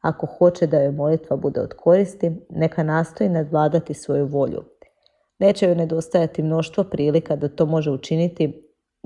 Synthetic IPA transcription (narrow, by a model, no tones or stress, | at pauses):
a̰ko̞xo̞t͡ʃed̪ajojmo̞lit̪ʋabud̪e̞od̪kʰo̞ɾist̪ine̞kanaːst̪o̞inad̪ʋlˠaːd̪at̪isʋo̞juʋo̞ʎṵ | ne̞ːt͡ɕejone̞d̪o̞st̪ajat̪imno̞ʃt̪ʋopɾiːlikad̪at̪o̞ːmo̞ʒeut͡ʃinit̪i